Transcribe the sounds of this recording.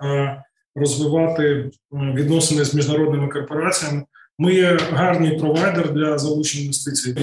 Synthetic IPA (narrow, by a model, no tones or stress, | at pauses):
rɔzʋɪʋɑt̪ɪ | ʋʲid̪nɔsenɪzʲmʲiʒnɐɾɔd̪nɪmɪkɔrpɔɾɑt͡sʲijɐmɪ | mɨjɛɦɑrnɨjpɾɔʋɑjd̪erd̪lʲɐzɐlˠut͡ʃenʲɐjʊst̪ɪt͡sʲij